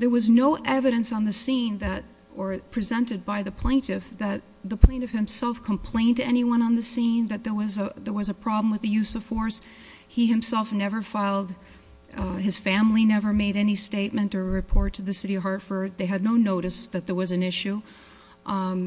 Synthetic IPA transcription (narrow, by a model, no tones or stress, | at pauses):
ðə˞wʌznoʊʔɛvɨɾɨ̃nsn̩ðɨsĩnðɨɾ | ə˞pʰɹ̥izɛ̃ntɨd̚baɪðɨpʰl̥ẽɪ̃ntɨfðɨt̪̚ðəpʰl̥ẽɪ̃ntɨfhɨ̃msɛlˠfkʰə̃m̩pʰl̥ẽɪ̃ntɨɛniwʌ̃ñə̃nðɨsĩnðɨt̪̚ðə˞wʌzəðə˞wʌzɨpʰɹ̥ɑbl̃m̩wɨðɨjʉsʌv̥fɔɹs | hiɨ̃msɛlˠfnɛvə˞faɪlˠd̚ | ɨz̥fæ̃mlinɛvə˞meɪɾɛnisteɪt̚mɨ̃nə˞ɹɨpʰɔɹtʰɨðɨsɪɾiɦɑɹtfə˞d̪̚ðeɪɨdⁿnoʊnoʊɾɨsðɨt̪̚ðə˞wʌzɨ̃nɪʃʉ